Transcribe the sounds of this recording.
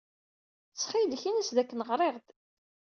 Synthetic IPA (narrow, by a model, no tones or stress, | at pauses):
t͡sːχilçinəsðækːnəʁɾˤeʁd̪